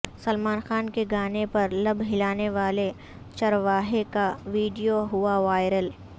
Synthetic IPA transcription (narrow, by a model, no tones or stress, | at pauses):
sɐlmaːnxaːnkeɡaːnepɐɾlɐbʱɦɪlaːneʋaːle | t͡ʃɐɾʋaːɦekaʋiːɖijoɦʊaʋaːɪɾəl